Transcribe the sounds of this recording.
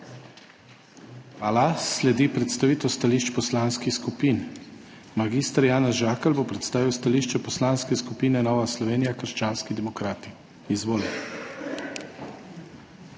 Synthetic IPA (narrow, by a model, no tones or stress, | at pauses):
alaslɛd̪ipɾɛt̪st̪aʋiːt̪ɔwst̪aliʃt͡ʃpɔslaːnskixskupin | maɡist̪aɾjaːnɛzʒaːkɛlbopɾɛt̪st̪aːʋiwst̪aliʃt͡ʃɛpɔslaːnskɛskupiːnɛnɔʋaslɔʋeːnijakəɾʃt͡ʃaːnskid̪ɛmɔkɾaːt̪i̥ | izʋoːlɛ